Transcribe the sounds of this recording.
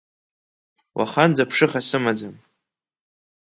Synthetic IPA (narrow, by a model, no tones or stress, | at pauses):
wʔa̰χand͡zapʰʂɨχasɨmad͡zam